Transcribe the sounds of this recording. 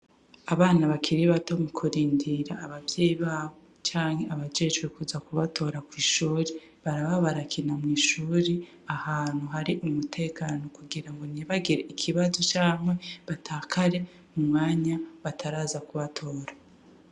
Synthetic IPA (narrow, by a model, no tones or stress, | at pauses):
aβaːnaβakʰiɾiβato̞mukʰuɾiːndiɾaːβavjeːjiβaːβo | t͡ʃaːŋhe̞ʔaβad͡ʒeːt͡ʃwekuzakuβatʰo̞ːɾakwiːʃuːɾe | βaɾaβaβaɾakʰinamŋiːʃuːɾe | ahaːn̥huɦaɾiʔumutʰe̞ːkaːno̞kuɡiɾaŋɡo̞niβaɡiɾeʔikʰiβazo̞t͡ʃaːmwe̞βatʰaːkʰaɾe̞ | umŋaːɲaβatʰaɾaːzakuβatʰo̞ːɾa